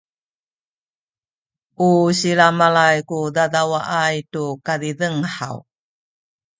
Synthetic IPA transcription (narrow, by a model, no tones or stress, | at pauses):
ʔuɕilamalajkudadawaʔajtukadiðəŋħa̰w